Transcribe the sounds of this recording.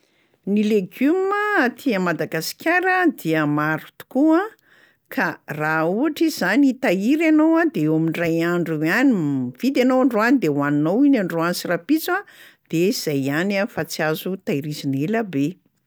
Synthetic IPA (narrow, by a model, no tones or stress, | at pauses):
nileɡuməːt̪ʰiəmad̪aɡasi̥kʲaɾəd̪iəmaɾu̥t̪u̥kua | kʰarauaʈ͡ʂiz̥anit̪aiɾanowad̪eowaminrajaɳɖ͡ʐuaniv̥id̪anowaɳɖ͡ʐoanid̪ewaninowinaɳɖ͡ʐoant͡sirapit͡sa | d̪̥ez̥ajanafat͡siazut̪aiɾizineləbe